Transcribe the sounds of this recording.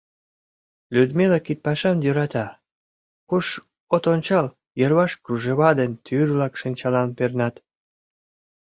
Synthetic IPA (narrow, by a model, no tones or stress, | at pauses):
lʲyd̪melɑkit̪̚pɑʃɑnjøɾɑt̪ɑ | kuʃ | ot̪onʲt͡ɕɑl | jərβɑʃkruʒeβɑd̪ent̪ʰyrβlɑkʃənʲt͡ɕɑlɑnpernɑt̪